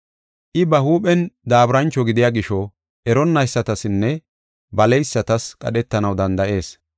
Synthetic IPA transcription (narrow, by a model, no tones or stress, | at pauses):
ʔɪbɐhuːpʼɛnd̪aːbɾɐnt͡ʃːɔɡɪd̪ɪjaːɡɪʃɔ | ʔɛɾɔnːɐjsːɐt̪ɐsɪnːɛ | bɐlɛjsːɐt̪ɐskʼɐ̰ɗɛt̪ːɐnɐwd̪ɐnd̪ɐʔe̞ːs